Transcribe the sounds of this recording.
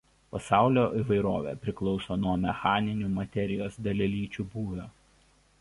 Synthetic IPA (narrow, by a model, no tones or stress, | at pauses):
pɐsɑˑʊlʲoːʔiʋɐɪɾoːʋʲḛːpʲɾʲɪklˠɒʊsoːnuɔmʲɛxɑːnʲɪnʲuːmɐt̪ʲɛɾʲɪjoːsd̪ʲɐlʲɛlʲiːt͡ʃʲuːbuːʋʲoː